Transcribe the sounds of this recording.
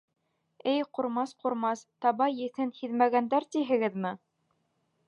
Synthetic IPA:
ɘjquɾmɑsquɾmɑst̪ɑβɑjɘ̆θɘnhiðmæɡænd̪æɾt̪iɦɘ̆ɡɘðmɘ

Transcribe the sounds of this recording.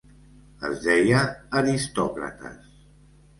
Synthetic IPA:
ə̰zðɛjəːɾist̪ɔkɾə̰t̪ə̰s

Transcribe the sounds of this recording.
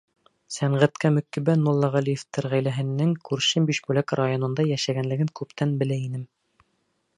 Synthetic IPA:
sæɴʁæt̪kæmɵ̆kːibænmulˠːɑʁælijɘft̪ɘɾʁæjlæɦɘ̆nːɘŋkʉɾʃɘmbiʃbulækrajonɤ̆nd̪ɑjæʃæɡænlɘ̆ɡɘŋkʉpt̪ænbɘ̆læinɘm

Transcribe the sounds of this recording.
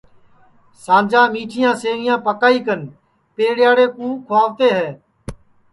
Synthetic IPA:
sãːd͡ʒãːmiːʈʰɪjãːseːŋɪjãːpəkaːiːkən | peːɽjaːɽeːkũːkʰʊaːʋt̪eːɦɛː

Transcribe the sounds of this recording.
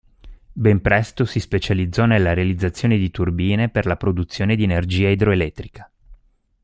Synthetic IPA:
bɛmpɾɛst̪osispet͡ʃalid̪zːɔnelːaɾealid̪zːat̪sːjoːned̪it̪urbiːneperlapɾod̪ut̪sːjoːned̪ienerd͡ʒiːaid̪ɾoelɛt̪ːɾikḁ

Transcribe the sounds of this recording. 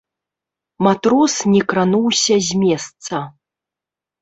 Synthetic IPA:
mat̪ɾɔsnʲɛkɾanuwsʲɐzʲmʲɛst̪sɐ

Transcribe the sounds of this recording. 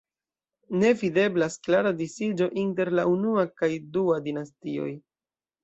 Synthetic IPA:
ne̞vide̞blasklaɾadisid͡ʒo̞ʔinte̞ɾlaunuakajduadinastio̞̰j

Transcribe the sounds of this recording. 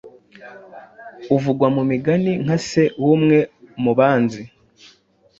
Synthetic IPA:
uvuɡwamumiɡaniŋ̥ase̞wumŋe̞muβaːnzi

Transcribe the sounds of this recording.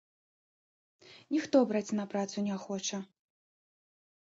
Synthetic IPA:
nʲixt̪ɔbɾat͡sʲnɐpɾat̪sunʲɛxɔt͡ʂɐ

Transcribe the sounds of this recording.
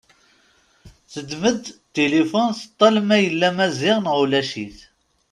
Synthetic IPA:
θəd̪məd̪t̪ːelifonθə̥t̪ˤːɑlmæjəlːæmæzɪʁnʁulæʃiθ

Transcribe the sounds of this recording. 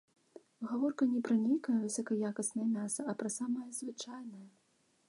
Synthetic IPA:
ɣavɔrkɐnʲɛpɾɐnʲejkɐjɐvɨsʲɐkɐjakɐsnɐjɐmʲasɐɐpɾɐsamɐjɐzvɨt͡ʂajnɐjɐ

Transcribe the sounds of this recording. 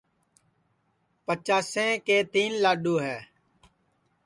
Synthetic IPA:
pət͡ʃaːsẽːkeːt̪iːnlaːɖoːɦɛː

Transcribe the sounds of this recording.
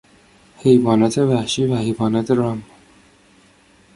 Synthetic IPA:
hejbɒːnæt̪ʰevæhʃiːvæhejbɑːnæt̪ʰeɾɑm

